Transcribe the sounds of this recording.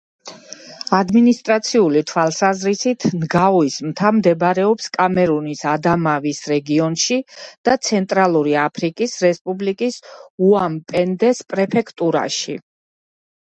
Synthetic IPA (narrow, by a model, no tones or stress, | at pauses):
ad̪minist̪ʼɾat̪sʰiulit̪ʰwalˠsazɾisit̪ʰnɡaɔismtɡ̪ʰamd̪ɛbɾɛɔpskʼamɛɾunisad̪amavisɾɛɡiɔnʃid̪̥at̪sʰɛnt̪ʼɾalˠuɾiapʰɾikʼisɾɛspʼublikʼisuampʼɛnd̪ɛspʼɾɛpʰɛkʰt̪ʼuɾa̰ʃi